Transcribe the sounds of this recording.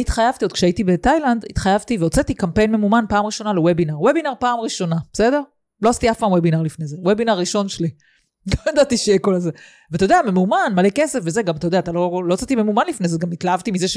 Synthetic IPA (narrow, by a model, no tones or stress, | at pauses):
iit̪χajavt̪iod̥̚kʃeaitibetajland̪it̪χajavt̪iveot͡set̪ikampe̞jnme̞mumanpaːmʁiʃo̞nalewebinaʁwebinaʁpaːmʁiʃo̞nab̥esede̞ʁ | lo̞asitiafpaːmwebinaʁlifnejzewebinaʁːiʃo̞nʃeli | lojedat̪iʃejekolaze | veatajo̞deamemumanmalekesefvezeɡamat̪ajodeat̪alo̞loot͡set̪ime̞mumanlifnezeɡamitlaavt̪imizeʃ